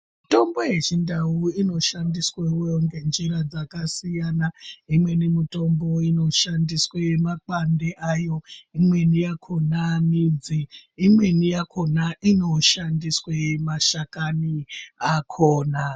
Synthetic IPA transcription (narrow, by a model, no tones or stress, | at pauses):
mito̞mbo̞je̞t͡ʃindauino̞ʃandisweujoŋɡe̞nd͡ʒiɾad͡zakasijanaimwe̞nimito̞mbo̞ino̞ʃandiswemak͡pandeʔajo̞imwe̞nijakʰo̞namid͡ziːmwe̞nijakʰonaʔino̞ʃandiswemaʃakaniakʰoːna